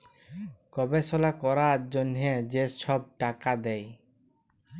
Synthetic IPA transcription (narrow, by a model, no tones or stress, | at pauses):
kɔbesɔlakɔɾaɾd͡ʑonɦed͡ʑeʃɔb̚ʈakad̪ɛj